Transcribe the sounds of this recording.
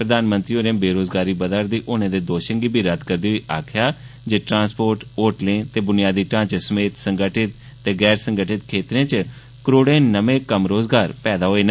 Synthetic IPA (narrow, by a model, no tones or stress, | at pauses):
pɾəd̪aːnmə̃nt̪ɾiːɦoːɾeãːbeːɾoːzɡaːɾiːbəd̪əɾd̪iːʔoːnẽːd̪eːd̪oːʃəŋɡiːbʱiːɾəd̪kəɾd̪iːiːʔaːkʰjaː | d͡ʒeːʈɾãːspoːɾʈoːʈlɪ̃ːt̪eːbʊnɪjaːd̪iːʈãːt͡ʃsəmeːt̪səŋɡəʈʰɪt̪ːeːɡɛːɾsəŋɡəʈʰɪt̪kʰeːt̪ɾẽːt͡ʃ | kəɾoːɽẽːnəʋẽːkəmɾoːzɡaːɾpɛːd̪aːɦoːeːna